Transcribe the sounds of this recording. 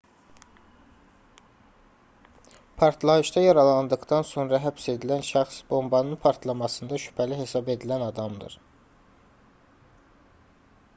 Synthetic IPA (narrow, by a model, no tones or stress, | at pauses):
pʰɑɾt̪ʰlˠɑɯʃd̪ɑjɑɾɑlˠɑnd̪ɯɡd̪ɑnso̞nɾɑɦæpse̞d̪ilænʃæχsb̥o̞mbɑnɯnpʰɑɾt̪ʰlˠɑmɑsɯnd̪ɑʃy̥pʰæliɦe̞sɑbe̞d̪ilænɑd̪ɑmd̪ɯ̰ɾ